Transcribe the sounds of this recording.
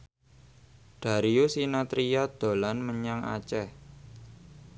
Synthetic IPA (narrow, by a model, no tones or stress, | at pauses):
ɖ̪̥a̤ɾiusinat̪ɾijɔd̪̥o̤lanməɲaŋa̰t͡ʃɛh